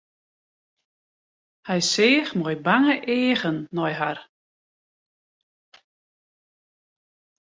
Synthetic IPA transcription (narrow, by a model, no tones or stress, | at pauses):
hɛjsɪːxmɔjbaŋəʔeːɣənːɔjɦar